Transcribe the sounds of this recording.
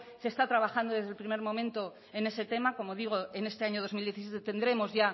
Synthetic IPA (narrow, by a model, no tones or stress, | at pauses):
se̞st̪at̪ɾaβaxand̪o̞ð̞e̞zðe̞lpɾime̞ɾmõ̞mẽnt̪o̞ | e̞ne̞se̞t̪e̞mako̞mo̞ðiɣ̞o̞ene̞st̪e̞aɲoð̞o̞zmild̪je̞θisjet̪et̪end̪ɾe̞mo̞zʝa